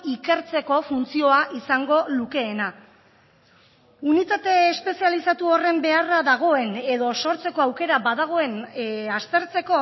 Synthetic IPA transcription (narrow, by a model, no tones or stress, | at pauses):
ike̞ɾt͡se̞ko̞funt͡sio̞aʔisaŋɡo̞luke̞ːna | unit̪at̪e̞ːspe̞sialisat̪uo̞re̞mbe̞araðaɣ̞o̞e̞ne̞ðo̞so̞ɾt͡se̞ko̞awke̞ɾabaðaɣ̞o̞e̞nast̪e̞ɾt͡se̞ko̞